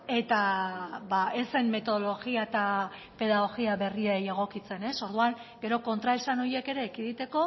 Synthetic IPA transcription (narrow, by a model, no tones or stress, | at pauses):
e̞t̪abae̞senme̞t̪o̞ð̞o̞lo̞ɣiaet̪a | pe̞ð̞aɣo̞ɣiaβe̞rieje̞ɣ̞o̞kit͡se̞ne̞so̞ɾðuaŋɡe̞ɾo̞ko̞nt̪ɾaesano̞je̞ke̞ɾe̞ːkiðit̪e̞ko̞